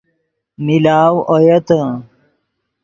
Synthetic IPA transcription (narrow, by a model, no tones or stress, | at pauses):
milaːwojɐt̪ə